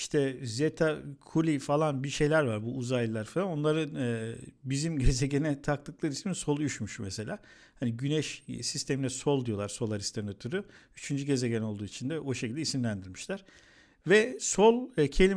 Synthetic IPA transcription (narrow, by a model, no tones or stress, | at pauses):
ʃt̪ʰɛzet̪ʰakʰulʲifalˠanbiʃe̞jlʲæɾvaɾbuʔːzajlʲilˠaɾfalˠano̞nlˠaɾɯ | bizimɟe̞ze̞ɟenɛt̪ʰaklɯk̚lˠɯɾismiso̞lˠyʃmyʃmese̞lʲaː | haniɟynɛʃsist̪ʰe̞minɛso̞lˠd̪ijo̞lˠaɾso̞lˠaɾist̪ʰaɾnat̪ʰuɾuyt͡ʃʰynd͡ʒyɟe̞ze̞ɟæno̞lˠd̪uːit͡ʃʰind̪ɛʔo̞ʃecilʲd̪ɛisimlʲænd̪iɾʲmiʃlʲæɾ̥ | vɛso̞lˠcʰe̞lʲi